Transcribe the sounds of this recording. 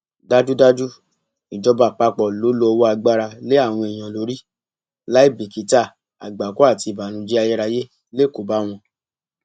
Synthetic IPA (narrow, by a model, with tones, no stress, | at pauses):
da˦d͡ʒu˦da˦d͡ʒu˦ | i˨d͡ʒɔ˧ba˨k͡pa˧k͡pɔ˨lo˨˦lo˧wo˦a˧ɡ͡ba˦ɾa˧le˦a˦˨w̃ɔ̃˧e˨j̃ã˨lo˨˦ɾi˦ | la˦i˦˨bi˨ki˨˦ta˦˨ | a˨ɡ͡ba˨ko˦a˦˨ti˧˨ba˨nũ˨˦d͡ʒi˦a˧jɛ˦ɾa˧je˦ | le˦˨ko˨˦ba˦w̃ɔ̃˧